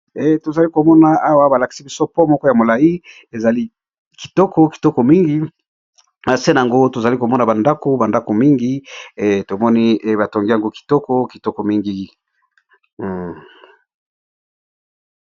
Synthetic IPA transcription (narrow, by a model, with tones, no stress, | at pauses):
e˨to˨za˨li˦ko˨mɔ˦na˨a˦wa˦ba˨la˨ki̥˨si˦bi˦so˦po˦mɔ˦kɔ˦ja˨mo˨la˨ji˦ | e˨za˨li˦ | ki̥˨tɔ˦kʰɔ˦ki̥˨tɔ˦ko˨mi˦ŋɡi˦ | na˨se˦na˨a˨ŋɡo˦to˨za˨li˦ko˨mɔ˦na˨ba˨nda˦ko˦ba˨nda˦ko˨mi˦ŋɡi˦˨to˨mɔ˦ni˦˨ba˨to˨ŋɡi˦ja˨ŋɡo˦ki̥˨tɔ˦kɔ˦ki˨tɔ˦ko˨mi˦ŋɡi˦˨